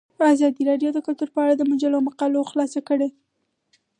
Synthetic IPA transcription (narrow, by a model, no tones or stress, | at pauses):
azɑd̪iɾɑɖjod̪əkʊlt̪uɾpəaɽad̪əmʊd͡ʒalomaqɑloxlɑsakəɽe